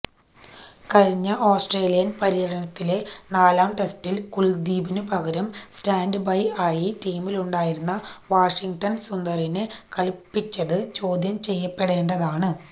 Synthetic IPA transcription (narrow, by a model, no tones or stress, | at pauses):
kɐɻiɲːɐʔoːsʈreːlijɐnpɐɾijɐɽɐnɐt̪ːile̞naːlaːmʈe̞stilkuɭd̪iːbinɨpɐɣɐɾɐmstaːnɖɨbɐjaːjiʈiːmiluɳɖaːjiɾunːɐʋaːʂiŋɡʈɐnsund̪ɐrinekɐlpːit͡ɕːɐðɨt͡ɕo̞ːd̪ʱjɐmt͡ɕe̞jːɐpːe̞ɽe̞ːɳɖɐðaːɳɨ